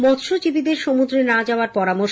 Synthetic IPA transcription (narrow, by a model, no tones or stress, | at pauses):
mɔt̪ʃod͡ʑibid̪eɾʃomud̪ɾenad͡ʑaoaɾpɔɾamo